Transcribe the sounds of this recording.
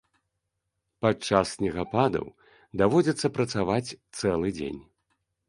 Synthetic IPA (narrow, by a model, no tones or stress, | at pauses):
pat͡ʂasʲnʲɛɣapad̪ɐ̰w | d̪avɔd͡zʲɛt̪sːɐpɾɐt̪savat͡sʲt̪sɛlˠɨd͡zʲḛnʲ